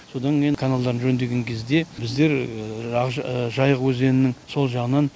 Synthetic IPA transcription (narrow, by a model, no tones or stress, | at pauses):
so̞d̪ɑŋkʲejkʰanalˠd̪ɑɾənʒɵnd̪e̞ɡʲe̞ŋkʲʰe̞zd̪e̞bɪzd̪e̞ɾ | ʒɑjəʁwɵze̞nɪnɪŋso̞lˠʒɑʁənɑn